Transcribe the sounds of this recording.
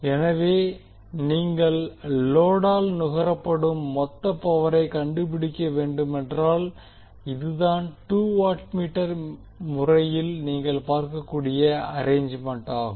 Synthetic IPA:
ɛnɐʋeː | niːŋɡɐɭːoːɽaːlnʊɣɐɾɐpːɐɽɯmːɔt̪ːɐpːɐʋɐɾɐɪkɐɳɖɯp̬ɪɽɪkːɐʋeːɳɖɯmɛndraːl | ɪðɯðaːnʈuːʋaːʈmiːʈːɐɾ | mʊrɐjɪlniːŋɡɐɭpaːɾkɐkːuːɽɪjɐɐɾeːɲd͡ʒmɐɳʈaːɣɯm

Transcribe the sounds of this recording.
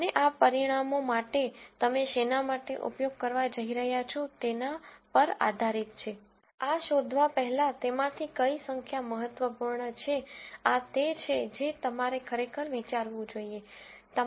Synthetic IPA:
əneʔapəɾiɽ̃amomaʈet̪əmeʃenamaʈḛʔṵpjoɡ̚kəɾʋad͡ʒəɦiɾəɦjat͡ʃʰot̪enapəɾa̰d̪ʱaɾit̪̚t͡ʃʰe | aʃod̪ʱʋapɛɦɛlat̪emãt̪ʰikəisəŋkʰjaməɦət̪ʋəpuɾɳət͡ʃʰeat̪et͡ʃʰed͡ʒet̪əmaɾekʰəɾekʰəɾʋit͡ʃaɾʋũd͡ʒoie | t̪ə

